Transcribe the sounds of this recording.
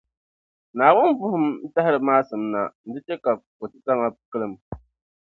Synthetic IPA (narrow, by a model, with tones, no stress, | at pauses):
naː˨wʊ˦nbʊ˦hʊ˦mn̩˦ta˦hɪ˦ɾɨ˨maː˦sɨ˨˦mna̰˨n̩˨dɨ˦t͡ʃɛ˦ka˨ko˨tɨ˦ta˦ma˦kɨ˦lɨ˨m